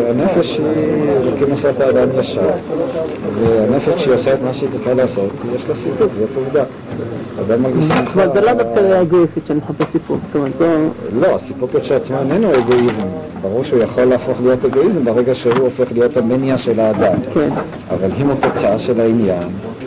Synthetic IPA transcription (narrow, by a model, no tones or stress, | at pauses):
anefeʃielokimasot̪haːd̪amjaʃaʁ | veanefeʃiosaet̪maʃeit͡sʁiχalaːso̞t̪ijeʃlosipukzo̞tuvd̪aː | d̪amːalɡiʃimazelod̪afkadeaeɡoisit̪ʃenimħapesipukst̪omat̪lolo̞asipukjoʃeat͡smoenenueɡo̞izm | baʁuʁʃeujaχo̞lːaːfo̞χlijo̞teɡo̞izembeʁeɡaʃe̞ɦuofe̞χlijo̞t̪aminjaʃe̞laːd̪amken | ʔa̰valɦimut̪o̞t͡saaʃe̞lainjan